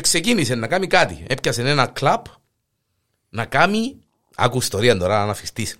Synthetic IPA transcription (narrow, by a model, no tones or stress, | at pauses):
eksecinisenːɐkamikat̪ḭepçɐsenenɐklab | nɐkami | a̰kuist̪oɾiɐnd̪oɾanɐfist̪is